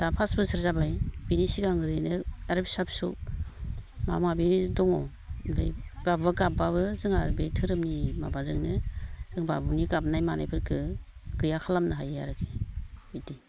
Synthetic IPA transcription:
d̥apʰasbɯsɯɾzabajbinisiɡaŋɯɾɯjnɯaɾpsapsu | ma̰mabidɔŋɔ | bɯ̰jbabɯɡap̚baβɯzɯŋaɾbitʰɯɾɯmnima̰bazɯŋnɯz̥ɯŋbabɯniɡap̚najmana̰jpʰɯɾkʰɯɡ̥ɯjakʰalamnɯɦaja̰ɾɯkʰe̥iti

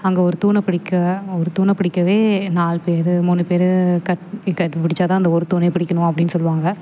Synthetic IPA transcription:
ɐŋɡɐɔɾɯt̪uːnɐpɪɽɪkːɐɔɾɯt̪uːnɐpɪɽɪkːɐʋeːnaːlpeːɾmuːnːɯpeːɾkɐʈkɐʈːpɪɽɪt͡ʃːaːt̪ãːɪnd̪ɐɔɾɯt̪uːnepɪɽɪkːɐɳʊ̃ɐpːɐɽɪnːɯsɔlːɯʋaːŋɡɐ

